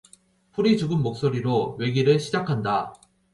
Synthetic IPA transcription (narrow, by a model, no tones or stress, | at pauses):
ɸʰuɾid͡ʑuɡɯmmok̚s͈oɾiɾowe̞ɡiɾɯɭɕʰid͡ʑakʰanda